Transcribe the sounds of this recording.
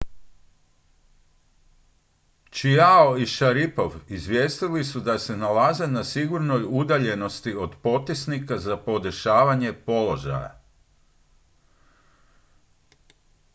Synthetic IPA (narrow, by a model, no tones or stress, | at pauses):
t͡ʃiaoiʃaɾipo̞ʋizʋjeːst̪ilisud̪ase̞nalaze̞nasiɡuɾnojud̪aʎe̞no̞st̪io̞d̪po̞t̪isnikazapo̞d̪eʃaːʋaɲe̞po̞lo̞ʒa̰ja̰